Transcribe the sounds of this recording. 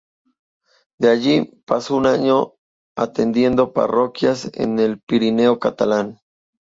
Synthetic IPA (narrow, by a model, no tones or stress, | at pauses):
d̪eaʝipasounaɲo | at̪end̪je̞nd̪o̞pa̰rokjasḛnelpiɾine̞okat̪alan